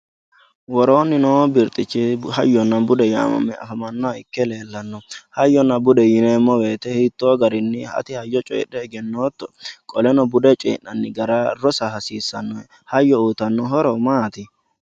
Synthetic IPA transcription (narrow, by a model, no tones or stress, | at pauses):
wɔɾoːnːɪnoːbɪɾt̪ʼɪt͡ʃːɪhɐjːɔnːɐbʊd̪ɛja̰ːmɐ̰mːɛɐ̰fɐmɐnːɔaɪkːɛle̞ːlːɐnːɔhɐjːɔnːɐbʊd̪ɛjɪneːmːɔweːt̪ɛhɪt̪ːoːɡɐɾɪnːɪhɐ̰t̪ɪhɐjːɔt͡ʃʼɛ̰ːɗɛːɡɛnːoːt̪ːɔ̥kʼɔlɛnɔbʊd̪ɛt͡ʃʼḛːʔːɐnːɪɡɐɾɐɾɔsɐhɐsiːsːɐnːɔɛ | hɐjːɔuːt̪ɐnːɔɦɔɾɔmaːt̪ɪ